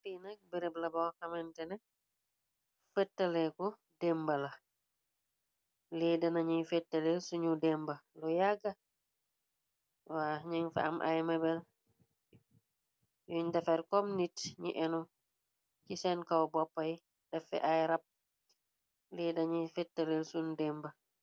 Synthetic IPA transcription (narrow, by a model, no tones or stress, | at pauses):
pinak̚bɛɾɛblabawkamɛntɛnɛ | fɛtːalɛkɔ | dɛmbala | lidanaɲifɛtːalɛsuɲudɛmbalɔjaɡa | waɲiŋfa̰a̰mʔa̰jmabɛl | juɲdafɛɾkomnitɲiʔɛnɔ | kisɛnkawbɔpːaji | dɛfɛ̰ʔajɾap̚ | lɛdaɲifɛtːalɛlsundɛmba